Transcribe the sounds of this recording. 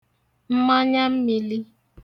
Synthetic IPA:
m̩˦ma˦ɲa˦m̩˦mi˨li˦

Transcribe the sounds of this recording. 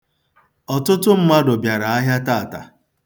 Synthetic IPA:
ɔ˨tʊ˦tʊ˦m̩˦ma˦dʊ˨bja˨ɾa˨a˦ɦja˦ta˦˨ta̰˨

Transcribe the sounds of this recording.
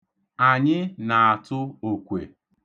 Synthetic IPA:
a˨ɲɪ˦na˨a˨tʊ˦o˨kʷḛ˨

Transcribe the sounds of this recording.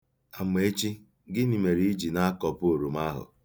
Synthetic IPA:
a˨me˨e˦t͡ʃi˦ | ɡɪ˦ni˨me˨ɾi˦i˦d͡ʒi˨na˦a˦kɔ˨po˨ɾo˨ma˦ɦʊ̰˨

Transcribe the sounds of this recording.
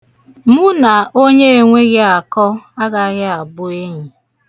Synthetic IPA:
mu˦na˨o˦ɲe˦e˨ŋʷe˦ɣɪ˦a˨kɔ˦a˦ɡa˨˦ɣɪ˦a˨bʊ˦e˦ɲi˨

